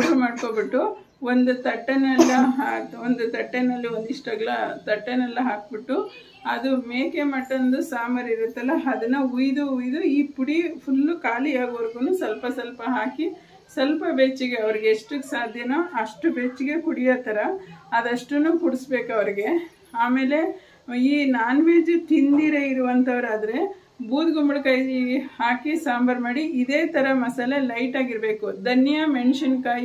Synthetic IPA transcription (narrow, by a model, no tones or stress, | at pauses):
ɡɐmaːɖkoːbiʈːu | o̞nd̪ut̪ɐʈːenɛlːɐɦaːond̪ut̪ɐʈːenːɐlːiond̪iʂʈɐɡɐɭɐt̪ɐʈːenɛlːɐɦaːk̚biʈːu | ɐd̪umeːkemɐʈːɐnd̪usaːmɐɾiɾut̪ːɐlːɐɐd̪ɐnːɐujd̪uujd̪uiːpuɽipʰulːukaːliaːɡɐʋɐɾɡuːnuːsɐlpɐsɐlpɐɦaːki | sɐlpɐbet͡ʃːiɡe̞ɐʋɐɾiɡeːʂʈusaːd̪ʱjɐnɐɐʂʈubet͡ʃːiɡe̞kuɽijoːt̪ɐɾɐːd̪ɐʂʈunuːkuɽusbeːkɐʋɐɾiɡe̞ | aːmeːle̞ | iːnaːnʋeːd͡ʒut̪ind̪iɾeiɾuʋɐnt̪ʰɐʋɐɾaːd̪ɐɾe̞ | buːd̪ɡumbɐɭkaːjihaːkisaːmbʱɐɾmaːɽiʔid̪e̞ːt̪ɐɾɐmɐsɐlɐlɐjʈaːɡiɾbe̞ːkud̪ʱɐnjɐmeɳʂɐnkaːji